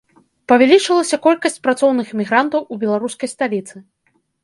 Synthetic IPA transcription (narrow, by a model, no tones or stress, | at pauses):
pɐvʲalʲit͡ʂɨlˠɐsʲɐkɔlʲkɐsʲt͡sʲpɾat̪sɔwnɨxmʲiɣɾant̪ɐwubʲɛlˠaɾuskɐjst̪alʲit̪sɨ